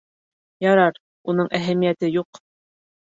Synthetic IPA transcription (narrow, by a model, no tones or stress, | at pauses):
jɑɾɑɾ | unɤɴʔæɦæmijæt̪ɘjuq